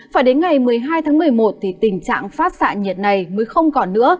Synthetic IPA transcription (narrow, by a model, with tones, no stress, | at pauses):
faː˧˩ɗe˨˦nŋa˨˩jmɨ˨˩əjɦaː˧jt̪ʰaː˨˦ŋmɨ˨˩əjmo˨˩t̚t̪ʰi˨˩t̪ï˨˩ŋ̟t͡ɕa̰ː˧˨ŋfaː˦˥t̚sa̰ː˧˨nɲi˨˩ət̚na˨˩jməː˨˦jxə˧wŋ͡mkɔ˨˩nːɨ̰˧˥ə